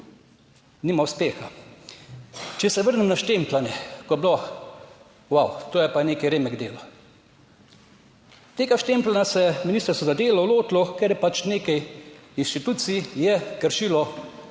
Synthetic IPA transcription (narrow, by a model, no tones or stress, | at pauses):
nimauspeːxa | t͡ʃɛsɛʋəɾnɛmnaʃt̪emplanɛkɔjɛblo | wawt̪oːjɛpaneːkiɾeːmɛɡd̪eːlɔ | t̪eːɡaʃt̪emplanasɛminist̪əɾsɔzad̪eːlɔloːt̪lɔkɛɾjɛpat͡ʃneːkɛjinʃt̪it̪uːt̪sijɛkəɾʃilɔ